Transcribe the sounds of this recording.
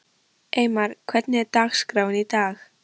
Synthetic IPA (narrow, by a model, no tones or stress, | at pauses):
ʔejmaɾ̥kʰvɛt̪nɛɾt̪aːxskɾaːwnit̪aːx